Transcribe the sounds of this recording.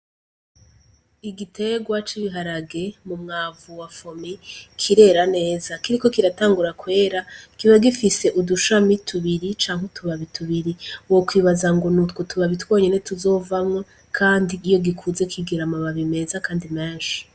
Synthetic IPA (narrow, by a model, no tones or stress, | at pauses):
iɡitʰe̞ɡwat͡ʃiβiɦaɾaɡe̞mumŋaːvuwafo̞mikʰiɾe̞ɾane̞ːzakiɾiko̞kiɾataːŋɡuɾakwe̞ːɾakiβaɡifise̞ʔuduʃamitʰuβiɾit͡ʃaːŋhwetuβaβitʰuβiɾiwokwiːβazaŋɡo̞nutkotuβaβitwo̞ːɲenetuzo̞vamŋo | kʰaːndiːjo̞ɡikʰuze̞kiɡiɾamaβaβime̞zakaːndimeːnʃi̥